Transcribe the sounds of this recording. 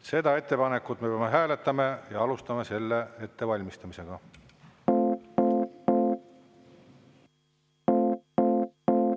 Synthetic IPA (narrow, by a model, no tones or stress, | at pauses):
se̞d̪̥ɑe̞t̪ːe̞pɑne̞kːut̪mepeɑmeɦæːle̞t̪ːˑɑmejɑɑlust̪ɑmese̞lːee̞t̪ːe̞vɑlʲmist̪ɑmise̞ɡ̥ɑ